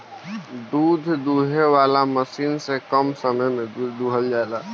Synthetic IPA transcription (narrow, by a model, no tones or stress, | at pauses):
d̪ud̪ʱd̪uɦeʋalaməsiːnsẽkəmsəməjmẽd̪uɦəld͡ʒaelaː